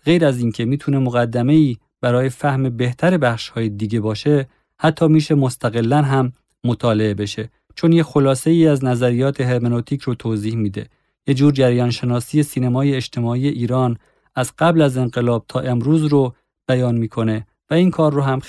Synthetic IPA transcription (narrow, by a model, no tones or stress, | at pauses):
ɢe̞jɾæziːncʰe̞miːt̪ʰune̞moɣæd̪ːæme̞iː | bæɾɒːje̞fæhme̞be̞ht̪ʰæɾe̞bæxʃhɒːjed̪iːɟe̞bɒːʃe̞ | hæt̪ʰːɒːmiːʃe̞mo̞st̪ʰæɣe̞lːænɦæmː | ot̪ʰɒːle̞ebe̞ʃe̞ | t͡ʃʰonjexo̞lɒːse̞iːæznæzæɾijɒːt̪ʰe̞ɦeɾmenot̪ʰiːcʰɾot̪ʰoːziːhmiːd̪e̞̰ | jed͡ʒuːɾd͡ʒæɾjɒːnʃe̞nɒːsiːje̞siːnemɒːjeːʃt̪ʰe̞mɒːiːje̞ʔiːɾɒːn | æz̥ɢ̥æblæze̞nɢe̞lɒːb̚t̪ʰɒːʔe̞mɾuːzɾo | b̥æjɒːnmiːkʰo̞ne̞ | væiːnkʰɒːɾːoɦæm